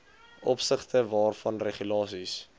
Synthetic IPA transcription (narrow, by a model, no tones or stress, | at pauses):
ʔɔpsəχtəvɑːrfɐnreχylɑːsis